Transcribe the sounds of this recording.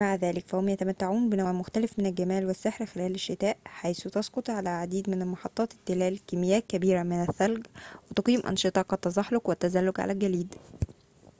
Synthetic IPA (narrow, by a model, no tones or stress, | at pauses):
maʕðæːlɪkfæhomjæt̪æmæt̪ːaʕuːnbɪnæʕmʊxt̪ælɪfmenælɡæmæːlwɪsːeħɾxelæːlɪʃːɪt̪æːʔħajsut̪ɑsqot̪ˤʕalæʕad̪iːd̪mɪnælmɑħɑt̪ˤːɑːt̪ɪt̪ːɪlæːlkɪmɪjːæːt̪̚kæbiːɾæmɪnæθːælɡwɪt̪ɑqiːmʔɑ̰nʃɨt̪ˤɑkɑt̪ːɑzˤɑħlokwæt̪ːæzælːʊɡʕa̰lælɡæliːd̪